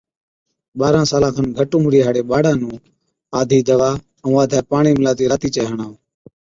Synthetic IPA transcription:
ɓaːɾãːsaːlãːkʰənɡʱəʈũːmɾiːɦaːɽeːɓaːɽãːnũː | aːd̪ʱiːd̪əʋaː | ũːaːd̪ʱaːpaːɳiːmɪlaːt̪iːɾaːt̪iːt͡ʃeːɦəɳaːoː

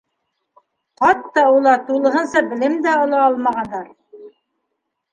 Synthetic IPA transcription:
qɑt̪ːɑulˠɑt̪ulˠɤ̆ɦɤ̆nsɑbɘ̆lɘmd̪æŏlˠɑɑlˠmɑʁɑnd̪ɑɾ

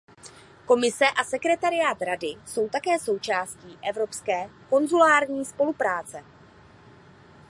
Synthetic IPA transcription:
ko̞mɪsɛʔasɛkɾɛt̪aɾɪjaːt̪ɾadɪso̞wt̪akɛːso̞wt͡ʃaːsciːʔɛvɾo̞pskɛːko̞nzulaːɾɲiːspo̞lupɾaːt͡sɛ

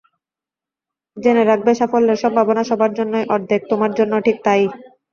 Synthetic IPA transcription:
d͡ʑeneɾak̚ʰbeʃafolːeɾʃɔmbʱabonaʃɔbʱaɾd͡ʑonːojʔɔɾd̪ʱek̚t̪omaɾd͡ʑonːoʈʰik̚t̪aj

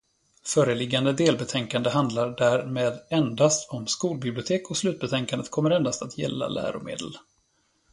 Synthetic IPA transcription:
fœːɾəlɪɡːand̪əd̪eːlbɛt̪ʰɛŋkand̪əɦand̪laɖæɾmeːd̪ɛnd̪ast̪ʰɔmskuːlbɪblɪʊt̪ʰeːkɔslʉ̟t̪̚bɛt̪ʰɛŋkand̪ət̪kʰɔmːəɾɛnd̪ast̪at̪ʰjɛ̰lːa̰læ̰ːɾʊ̰mḛːd̪ə̰l

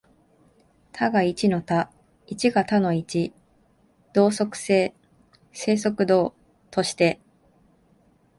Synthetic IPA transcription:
t̪ʰaɡait͡ɕino̞t̪a | it͡ɕiɡat̪ano̞it͡ɕi | d̪̥o̞ːso̞kɯ̟̥se̞ː | se̞ːso̞kɯ̟d̪o̞ː | t̪o̞ɕi̥t̪e̞

